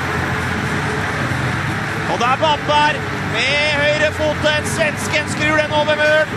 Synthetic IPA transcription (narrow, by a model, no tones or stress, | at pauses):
ɔd̪ɛæɾbɑp̪d̪æɾ | mehœʏɾəfuːt̪ənsʋɛnskənskɾʉːɖ̪ɛnoːʋəɾmøːɽ